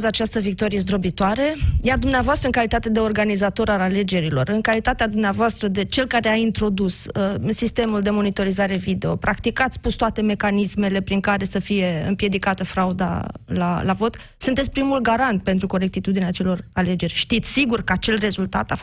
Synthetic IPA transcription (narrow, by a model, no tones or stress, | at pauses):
zat͡ʃast̪əvik̚t̪o̞ɾijezd̪ɾobit̪oaɾejard̪umneavoast̪ɾəɨŋkalit̪at̪e̞d̪e̞o̞rɡanizat̪o̞ɾalale̞d͡ʒe̞ɾilo̞̰rɨŋkalit̪at̪ead̪umneavoast̪ɾəd̪e̞t͡ʃe̞lkaɾeaint̪ɾo̞d̪ussist̪e̞muld̪e̞mo̞nit̪o̞ɾizaɾe̞vid̪e̞o̞pɾakt̪ikat̪sʲpust̪oat̪e̞me̞kanisme̞le̞pɾiŋkaɾe̞səfije̞ɨ̰mpje̞d̪ikat̪əfɾaud̪a̰la̰lavo̞t̪ | sunt̪esʲpɾimulɡaɾant̪̚pe̞nt̪ɾuko̞ɾek̚t̪it̪ud̪ineat͡ʃe̞lo̞rale̞d͡ʒe̞rʲʃt̪it̪sʲsiɡurkəat͡ʃe̞lre̞zult̪a̰t̪a